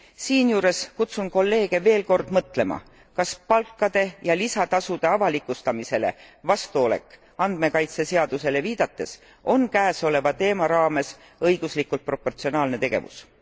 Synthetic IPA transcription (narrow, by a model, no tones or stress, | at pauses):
siːnjuːɾe̞skut̪sunko̞lːe̞ːɡ̥e̞ve̞ːlko̞rd̪̥mɤt̪ˑle̞mɑ̰ | kɑspɑlkˑːɑd̪̥e̞jɑlisɑt̪ɑsud̪̥e̞ɑvɑlikːˑust̪ɑmise̞le̞̰vɑst̪uo̞le̞̰kːˑ | ɑnd̪̥me̞kɑjt̪se̞se̞ɑd̪̥use̞leviːd̪̥ɑt̪ːˑe̞s | o̞nkæːso̞le̞vɑt̪e̞ːmɑɾɑːme̞s | ɤjɡ̥uslikːult̪̚pro̞po̞rt̪sionɑːlne̞t̪e̞ɡ̥e̞̰vṵs